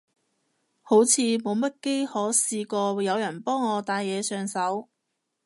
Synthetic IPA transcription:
ho˨˥wt͡sʰiː˨˧mo˨˧wmɐ˥t̚ke˥jhɔː˨˥siː˧kɔː˧jɐ˨˧wjɐ˨˩npɔː˥ŋːɔː˨˧t̪aː˧jːɛː˨˧sœː˨˧ŋsɐ˨˥w

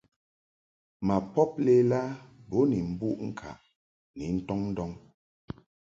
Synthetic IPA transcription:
ma˨pɔ˦p̚le˦la˦bo˨˦ni˨m̩˨bu˦ʔŋ̩˦kʰa̰˨ʔ | ni˨n̩˦tɔ˦ŋn̩˦dɔ˦ŋ

